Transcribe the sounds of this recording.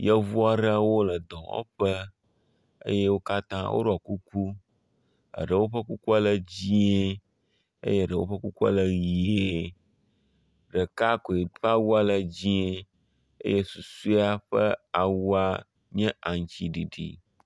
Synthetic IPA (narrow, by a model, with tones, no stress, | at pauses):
jɛ˦vu˦a˨ɖə˦wo˦lə˨d̪ɔ̃˨wɔ̰˦ɸə˦ | ə̰˦je˦wo˦ka˦t̪ã˦wʔo̰˦ɖo˦˨a˨ku˦ku˦ | ə̰˨ɖə˨wo˦ɸə˦ku˦ku˦a˦lə˨d͡ʑi˦e˦ | ḛ˦je˦˨ɖə˨wo̰˦ɸə˦ku˦ku˦a̰˦˨lə˨ŋ˨je˨ | ɖə˨ka˦ko˨e˨ɸa˦wu˦a˦lə˨d͡ʑi˦e˦ | ḛ˦je˦su˨su˦a˦ɸə˦a˨wu˦a˦ | ɲɛ̃˦a˨ŋ˦˨t͡ɕi˨ɖi˨ɖḭ˨